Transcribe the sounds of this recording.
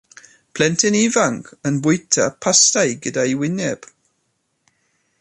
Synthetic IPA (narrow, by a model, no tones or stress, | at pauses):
pʰl̥ɛntʰɛnivaŋɡənbʊjtʰapʰastajɡədaiwɪnjɛb̥